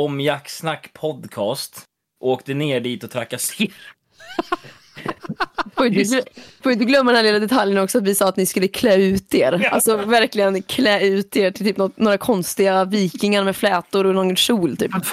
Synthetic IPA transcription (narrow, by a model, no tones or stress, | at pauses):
ɔmjaksnakːpʰɔd̪kʰɑːst̪ | ʔoːkt̪əneːɖiːt̪ɔt̪ʰɾakːasɪɾ | foːjɪɡ̪foːɾjʏnt̪ɵɡlœmːdɛnælɪːlad̪ɛt̪ʰaljənɔksɔat̪vɪsɑːat̪nɪskɵlːəkʰlɛːʉ̟ːt̪eːɾalt̪sɔvæɾklɪɡənkʰlɛːʉ̟ːt̪eːʈʰɪlt̪ʰyːpːnɔt̪noːɾakʰɔnst̪ɪɡaviːknɪŋaɾmɛflɛːt̪ʊɾɔnɔɡʂuːlt̪ʰy̰ːp